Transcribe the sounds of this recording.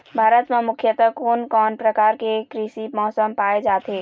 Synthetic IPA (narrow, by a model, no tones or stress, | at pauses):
bʱaːɾət̪memʊkʰjət̪əkonkɔːnpɾəkaːɾkekɾisimɔːsəmpaed͡ʒaːt̪e